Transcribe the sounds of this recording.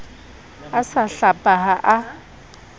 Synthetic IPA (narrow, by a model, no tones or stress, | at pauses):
asaɬapʼaɦaʔa